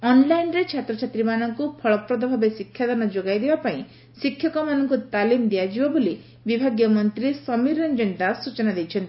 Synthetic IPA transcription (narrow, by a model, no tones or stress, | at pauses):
ɔnlajnɾet͡ʃʰat̪ɾɔt͡ʃʰat̪ɾimanɔŋkupʰɔɭɔpɾɔd̪ɔbʱabesikʰjad̪ɔnɔd͡ʒoɡajd̪ebapaĩ | sikʰjɔkɔmanɔŋkut̪alimd̪iad͡ʒiwɔbuli | bibʱaɡjɔmɔnt̪ɾisɔmiɾɔnd͡ʒɔnd̪asut͡ʃɔnad̪ejt͡ʃʰɔnt̪i̥